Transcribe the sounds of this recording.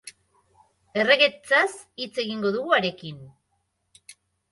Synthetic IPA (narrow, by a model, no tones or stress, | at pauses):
e̞re̞ɣe̞t͡sas | it͡se̞ɣiŋɡo̞ð̞uɣuaɾe̞kin